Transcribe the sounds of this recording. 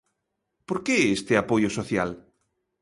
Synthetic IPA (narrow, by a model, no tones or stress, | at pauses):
poɾkeɛest̪eapojʊsoθjal